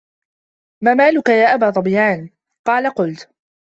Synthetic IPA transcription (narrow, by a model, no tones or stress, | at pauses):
maːmaːlʊkajaːʔabaːt̪ˤɑbjaːn | qɑːlaqʊlt̪